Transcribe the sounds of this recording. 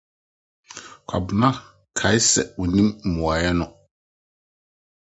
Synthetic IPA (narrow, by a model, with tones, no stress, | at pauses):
kʷʰa̰˨bʊ˨nã˦ | kʰa˨ɪ˦sɛ̰˨wɔ˨nĩ˦m̩˨mʊ̃˨a˨jɛ˦nʊ̃˨